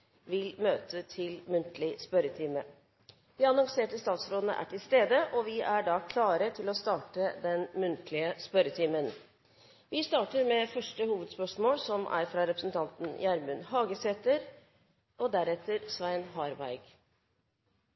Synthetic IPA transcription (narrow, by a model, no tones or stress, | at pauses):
ʋɪlmøːt̪ʰət̪ʰɪlmʉnt̪lɪspœɾət̪ʰɪːmə | ʋ̪ɪɑnɑŋseːʈəst̪ɑːt̪sɾoːd̪n̩ə̰ʔæ̰ʈʰɪlst̪eːd̪əʔɔʋɪʔæɖɑːkʰlɑːɾət̪ʰɪlɔst̪ɑːʈəd̪ɛnmʉnt̪ʰlɪəspœɾət̪ʰimən | ʋɪst̪ɑːʈəɾmɛfœʂʈəhuːʋəd̪spœʂmoːlsɔmʔæ̰ɾfɾɑɾɛpɾəsnt̪ʰɑnt̪n̩jæɾmʉnhɑːɡəsɛt̪əɾ | ɔd̪æɾɛt̪ːəɾsʋæɪnɦɑɾʋæ̰ɪɡ̥